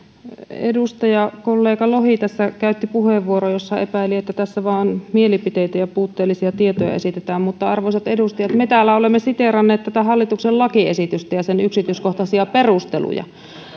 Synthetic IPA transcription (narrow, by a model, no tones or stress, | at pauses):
ḛdust̪ɑjɑkolːeːkɑlohit̪æsːækæyt̪ːipuheʋːuorojosːɑḛpæˑiliet̪ːæt̪æsːæʋɑːonmielipit̪eit̪æjɑpuːt̪ːeːlːisiɑt̪iet̪ojɑ̰ḛsit̪et̪æːmmut̪ːɑɑrʋoisɑt̪edust̪ɑjɑt̪met̪æːlːæolemːesit̪erɑnːeːt̪t̪æt̪æhɑlːit̪uksellɑkiesit̪yst̪æjɑsenyksit̪yːskoht̪ɑsiɑperust̪ḛlṵjɑ̰